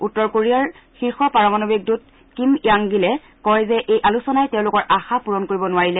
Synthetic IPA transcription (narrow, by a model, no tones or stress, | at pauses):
utːɔɹkoɹiaɹ | xiɹxɔpaɹɔmanobik̚dut̚ | kimiaŋɡilɛ | kɔjzɛʔejʔalusɔnajtɛʊ̃lʊkɔɹʔaxapuɹɔnkoɹibɔnʊaɹilɛ